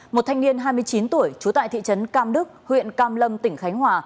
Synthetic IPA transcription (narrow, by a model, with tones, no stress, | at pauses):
mo˨˩t̚t̪ʰa˧jŋ̟ni˧ənɦaː˧jmɨ˧əjt͡ɕi˨˦nt̪u˧˩əjt͡ɕu˨˦t̪a̰ː˧˨t̪ḭ˧˨t͡ɕə˨˦nkaː˧mɗɨ˦˥k̚hwḭ˧˨ənkaː˧mlə˧mt̪ï˧˩ŋ̟xa˨˦jŋ̟hwaː˨˩